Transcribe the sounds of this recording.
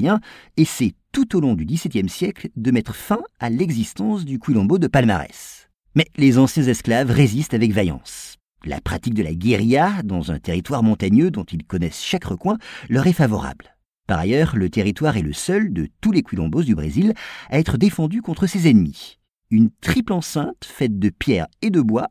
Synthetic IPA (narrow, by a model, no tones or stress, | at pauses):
jɛ̃esɛt̪ut̪olɔ̃d̪yd̪isɛt̪jɛmsjɛkld̪əmɛt̪χəfɛ̃alɛɡzist̪ɑ̃sd̪ykwilɔ̃bod̪əpalma̰ʁɛ̰s | mɛlezɑ̃sjɛ̃zɛsklavʁezist̪avɛkvajɑ̰̃s | la̰pχat̪ik̚d̪əla̰ɡʲeʁijad̪ɑ̃zɛ̰̃t̪eʁit̪waʁmɔ̃t̪aɲød̪ɔ̃t̪ilkɔnɛsʃakʁəkwɛ̃lœʁɛfavɔ̰ʁa̰bl | paʁa̰jœʁlət̪eʁit̪waʁɛləsœld̪ət̪ulekwilɔ̃bod̪ybʁḛzilaɛt̪χəd̪efɑ̃d̪ykɔ̃t̪χəsezɛnmi | ynt̪χiplɑ̃sɛ̃t̪fɛt̪̚d̪əpjɛʁed̪əbwa